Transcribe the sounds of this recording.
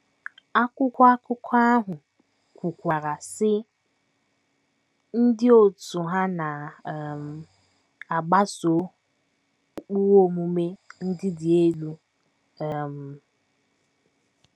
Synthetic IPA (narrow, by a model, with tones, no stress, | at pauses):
a˦kʷʊ˦kʷɔ˦a˦kʊ˦kʰa˦ɦʊ˨ | kʷu˨kʷa˨ɾa˨sɪ˦ | n̩˦dɪ˦o˨tu˨ɦa˦na˨m̩˨ | a˨ɡ͡ba˦so˨˦ | k͡pu˦ɣo˦˨mu˨me˦n̩˦dɪ˦dɪ˨e˦lu˦ | ɛ˨m̩˨